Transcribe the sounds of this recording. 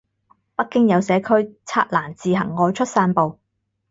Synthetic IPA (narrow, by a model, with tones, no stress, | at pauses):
pɐ˥k̚ːɪ˥ŋjɐ˨˧wsɛː˨˥kʰɵ˥ɥt͡sʰa̰ː˧t̚laː˨˩nt͡siː˨ɦɐ̰˨˩ŋːɔː˨˧jt͡ʃʰɵ˥t̚saː˧npo˨w